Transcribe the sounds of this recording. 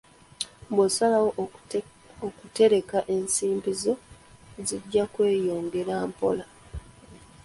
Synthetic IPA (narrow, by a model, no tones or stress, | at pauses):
bwesalawo | okute̞ɾe̞kaʔe̞nsiːmbizo̞ | ziɟːakwe̞ːjo̞ːŋɡe̞ɾaːmpo̞̰la